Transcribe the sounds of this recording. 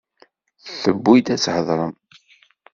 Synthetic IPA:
θθəbːid̪æt͡sːhəðˤɾˤəm

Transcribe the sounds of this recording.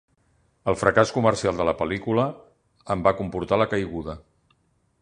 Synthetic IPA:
əlˠfɾəkaskuməɾsialˠd̪ələpəlikuləː | mbakumpuɾt̪aləkəjɣuðə

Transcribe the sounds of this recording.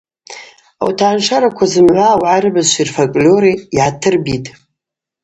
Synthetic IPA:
a̰wtʰaʕnʂaɾakʷʰazɨmʕʷawʕarɨbaʃʷirfakʼlʲoɾiːʕatʰɨrbitʼ

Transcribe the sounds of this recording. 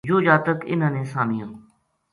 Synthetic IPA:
d͡ʒoːd͡ʒaːt̪əkɪ̰nə̃ːnẽːsaːmɪjãː

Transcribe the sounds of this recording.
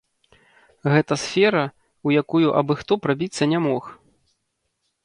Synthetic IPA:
ɣɛt̪ɐsfʲɛɾɐ | ujakujuʔɐbɨxt̪ɔpɾabʲit̪sːɐnʲɛmɔx

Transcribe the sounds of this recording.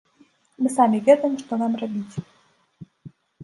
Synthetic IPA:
mɨsamʲivʲɛd̪əjəmʂt̪ɔnamrabʲit͡sʲ

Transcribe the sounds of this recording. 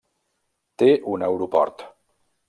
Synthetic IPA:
t̪eʔunɛwɾupɔ̰ɾt̪

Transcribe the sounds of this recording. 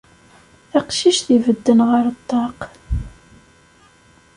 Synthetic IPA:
θæqʃiʃθivəd̪ːənʁəɾt̪ˤːɑq

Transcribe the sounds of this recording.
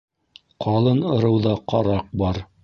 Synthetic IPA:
qʰɑlˠɤnɤ̆ɾɤ̆wðɑqɑɾɑq̚bɑɾ

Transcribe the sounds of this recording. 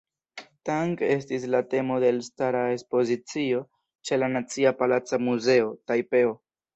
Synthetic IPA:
taŋke̞s̬tis̬late̞mo̞de̞lstaɾae̞spo̞zit͡sio̞ | t͡ʃe̞lanat͡siapalat͡samuze̞o̞tajpe̞o

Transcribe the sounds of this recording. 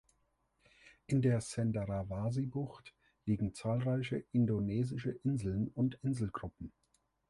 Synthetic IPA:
ʔɪndeːɐsɛndaʁavaːzibʊxt | liːɡŋ̩t͡saːlʁaɪçəʔɪndoneːzɪʃəʔɪnzl̩nʊntʔɪnzl̩ɡʁʊpm̩

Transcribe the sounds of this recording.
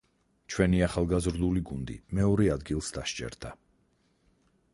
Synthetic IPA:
t͡ʃʰwɛniaχalˠɡazɾd̪uliɡund̪ḭmɛɔɾɛad̪ɡilˠsd̪aʃt͡ʃʼɛ̰ɾd̪̥a

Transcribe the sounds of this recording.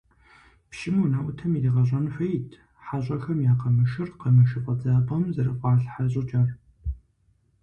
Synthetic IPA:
pʃɪmunaːʔʷʊtʰɐmidiːʁɐɕ̬ʷʼɐnɨħʷɐjitʰ | ħaɕʷʼɐxɐmjaːqɐmɨʃɨrqɐmɨʃɨpʼɐd͡zaːpʼɐmzɐɾɨqʷʼɑːɬħaɕʼɐt͡ʃʼaːr

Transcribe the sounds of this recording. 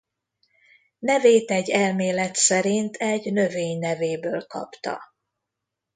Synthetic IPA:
nɛveːt̪ɛɟːɛlmeːlɛt̪sɛɾint̪ʰɛɟnø̞veːɲnɛveːbøːlkɒ̰pt̪ɒ̰

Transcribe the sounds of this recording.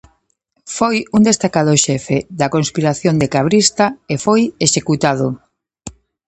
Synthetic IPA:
fojund̪est̪akaðoʃɛfeðɐkonspiɾaθjond̪ekaβɾist̪aefojeʃekut̪að̞ʊ

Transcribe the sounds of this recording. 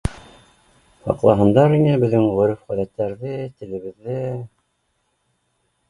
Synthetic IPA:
hɑ̰qlˠɑɦɤ̆nd̪ɑɾinɘbɘ̆ðɘŋʁɵ̆ɾɘfʁæðæt̪ːæɾðɘt̪ɘ̆lɘ̆βɘ̆ðːɘ

